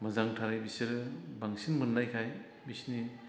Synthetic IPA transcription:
mɐzaŋtʰaɾajbiseɾbaŋsinmɯnːajkʰaj | bisni

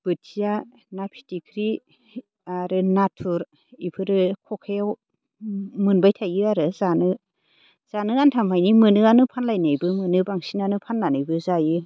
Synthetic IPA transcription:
b̥ɯtʰija | napʰi̥tikʰɾi | aɾɯnatʰuɾ | ipʰɯɾɯkʰɔkʰejaw | mɯnbajtʰajɯaɾɯzanɯ | z̥anɯɡantʰamʰajnimɯnɯanɯpʰanlajnajbɯmɯnɯbaŋsinanɯpʰanːanɯjbɯzajɯ

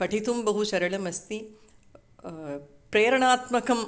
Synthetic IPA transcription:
pɐʈʰit̪umbɐɦut͡ʃɐɾɐɭɐmɐst̪i | pɾeːɾɐɳaːt̪mɐkɐm

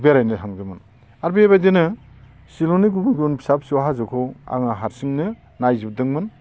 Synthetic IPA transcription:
beɾajnɯaŋdɯmɯn | aɾbieβajdenɯ | siloniɡubɯɡiɔnbʰi̥sap̚siwɦazɯkʰɔa̰ŋaɦaɾsiŋnɯ | najzib̚dɯŋmɯn

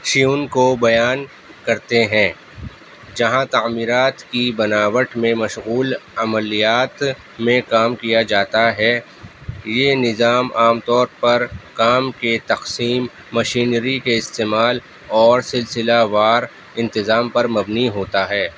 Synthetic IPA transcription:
ʃijuːnkobɐjaːn | kɐɾt̪eɦɛ̃ː | d͡ʒɐɦãt̪aːmiːɾaːt̪kibɐnaːʋəʈmẽmɐʃɣuːlɐməlijaːt̪ | mẽkaːmkijad͡ʒaːt̪aɦɛ | jenɪzaːmaːmt̪ɔːɾpɐɾkaːmket̪ɐqsiːmː | ɐʃiːnɾikeɪst̪eːmaːl | ɔːɾsɪlsɪlaʋaːɾ | ɪ̃nt̪ɪzaːmpɐɾmɐbniɦoːt̪aɦɛː

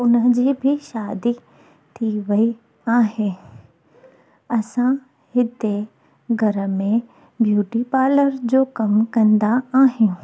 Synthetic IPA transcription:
ʊnə̆d͡ʑiːbʱɪʃaːd̪i | t̪ʰiʋɐi | aːɦɪ̃ | ɐsã | hɪd̪e | ɡʱɐɾə̆mẽ | bjuːʈipaːləɾd͡ʑoːkɐmkɐ̃nd̪aaːɦɪn

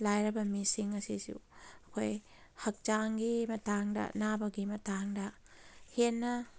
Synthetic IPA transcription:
lajɾɐbɐmisiŋɐsisṵɐkʰoj | hɐk̚t͡ʃaŋɡimɐtaŋdɐ̰nabɐɡimɐtaŋdɐ | henːɐ

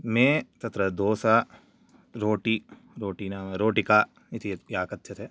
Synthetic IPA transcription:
mẽt̪ɐt̪ɾəd̪oːsa | ɾoːʈi | ɾoːʈinaɾoːʈikaː | ɪt̪ʰijaːkɐtːʃʰɐt̪ɦɛː

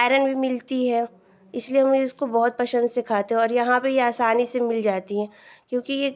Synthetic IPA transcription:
aːɾənbʱimɪlt̪iɦɛː | ɪslieɦɐmʊskobɔɦʊt̪̚pɐʃə̃nd̪sɪkʰaːt̪eɦɛ̃ɔːɾjɐɦãpejeaːsaːnisemɪld͡ʒaːt̪iɦɛ̃ːkjõːkijeː

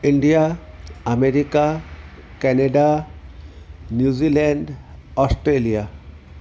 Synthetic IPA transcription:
iɳɖija | ameɾika | kɛneɖa | njuzilɛɳɖɔsʈɾelija

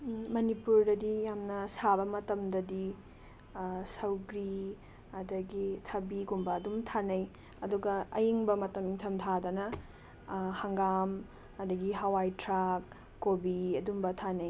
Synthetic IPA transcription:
mɐnipuɾdɐdijamnɐsabɐmɐtɐmdɐdi | sɐwɡɾi | ɐdɐɡitʰɐbiɡumbɐːdumtʰanɐj | ɐduɡɐɐjiŋbɐmɐtɐmiŋtʰɐmtʰadɐnɐ | hɐŋɡam | ɐdɐɡiɦɐwajtɾakː | obiɐdumbɐtʰanɐj

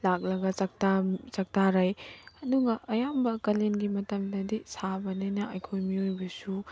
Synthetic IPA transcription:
lak̚lɐɡɐt͡ʃɐk̚tat͡ʃɐk̚taɾajɐduɡɐʔɐjambɐkɐlenɡimɐtɐmdɐdisabɐninɐʔɐjkʰojmiojbɐsu

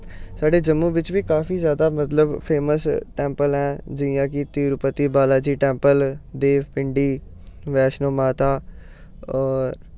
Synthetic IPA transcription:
saːɖeːd͡ʒəmːũːʋɪt͡ʃʋiːkaːfiːzjaːd̪aːmət̪ləbpʰeːməsʈɛ̃ːmpəlɦɛ̃ːd͡ʒɪjãːk̬ɪt̪iːɾʊpət̪ːiːbaːlaːd͡ʒiːʈɛ̃ːmpəld̪eːʋpɪɳɖiːʋɛːʃnoːmaːt̪aː | ɔːɾ

